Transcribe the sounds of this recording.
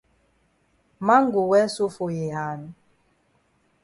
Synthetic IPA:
ma˦ŋ˦ɡu˨wɛ˦su˦fo˨je˨ɦa˨n˦

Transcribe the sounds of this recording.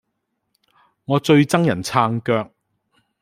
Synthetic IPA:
ŋɔː˨˧t͡ʃɵ˧ɥt͡sɐ˥ŋjɐ˨˩nt͡sʰaː˧ŋkœː˧k̚

